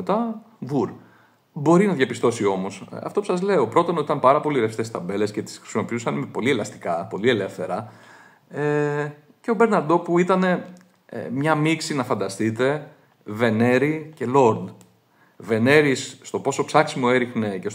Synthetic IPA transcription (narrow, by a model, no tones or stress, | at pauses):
et̪ɐ | vuɾ | bo̞ɾinɐðʝɐpist̪o̞sio̞mo̞sɐ̰ft̪o̞pu̥sɐzle̞o̞pɾo̞t̪onoit̪ɐmpɐɾɐpo̞liɾefst̪est̪ɐbe̞le̞sce̞t̪i̥sxɾi̥simo̞piusɐnimepo̞lielɐst̪i̥kɐpo̞lie̞lefθe̞ɾɐ | e | ce̞o̞be̞ɾnɐɾd̪o̞puit̪ɐne̞̰ | mɲɐmiksinɐfɐnd̪ɐst̪it̪e̞ | ve̞ne̞ɾice̞lo̞ɾd̪ | ve̞ne̞ɾisːt̪o̞po̞so̞psɐksimo̞e̞ɾixne̞ce̞s